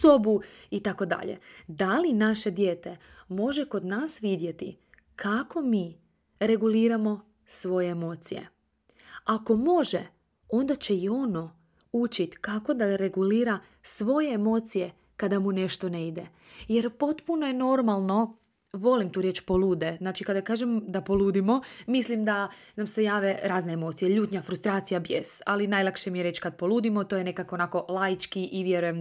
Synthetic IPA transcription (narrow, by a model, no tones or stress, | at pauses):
sobuit̪ako̞d̪a̰ʎḛd̪alinaʃe̞d̪je̞ːt̪e̞ | mo̞ʒeko̞d̪naːsʋid̪je̞t̪ḭ | kʰako̞miː | ɾe̞ɡuliːɾamo̞ | sʋo̞jeemo̞ːt̪sijḛ | ako̞mo̞ʒe | o̞nd̪at͡ɕe̞io̞no̞ | ut͡ʃit̪kako̞d̪aɾe̞ɡuliːɾa | sʋo̞je̞emo̞ːt̪sije̞ | kad̪amune̞ʃt̪o̞ne̞id̪e̞ | jeɾpo̞t̪puno̞je̞no̞ɾmalˠno̞ | ʋo̞limt̪uːɾje̞ːt͡ʃpo̞lˠuːd̪e̞znaːt͡ʃikad̪akaːʒemd̪apo̞lˠuːd̪imo̞mislimd̪anamse̞jaːʋe̞ɾaːzneemo̞t̪sijeʎuːt̪ɲafɾust̪ɾaːt̪sijabjesalinajlˠakʃemijeɾe̞t͡ʃkad̪̚po̞lˠuːd̪imo̞t̪ojene̞kakonaːko̞lˠaːjit͡ʃkiʔiʋje̞ɾujem